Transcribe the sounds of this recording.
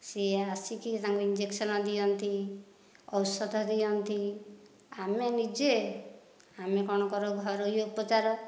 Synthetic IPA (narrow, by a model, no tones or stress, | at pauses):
seasikit̪aŋkuind͡ʒeksɔnɔd̪ijɔnt̪i | ɔwsɔd̪ʱɔd̪ijɔnt̪i | amenid͡ʒe | amekɔɽ̃ɔkɔɾɔɡʱɔɾojoupɔt͡ʃaɾɔ